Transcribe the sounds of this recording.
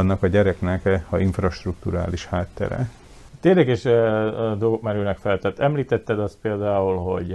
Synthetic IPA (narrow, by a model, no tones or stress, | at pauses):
nːɒkɒɟɛɾɛknɛkɒiɱfrɒʃt̪rukt̪uɾa̰ːliʃhaːt̪ːɛ̰ɾɛ̰ | t̪eːlɛɡɛʃ | d̪olɡokmɛɾyːnɛkfɛlt̪ɛt̪ːɛmliːt̪ɛt̪ːɛd̪ɒst̪peːld̪aːulɦo̞̰ɟ